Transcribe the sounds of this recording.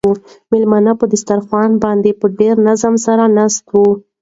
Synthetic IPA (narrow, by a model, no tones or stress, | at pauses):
umɪlmanapəd̪ɪst̪aɾxwɑnbɑnd̪epəɖeɾnazamsaɾanɑst̪wu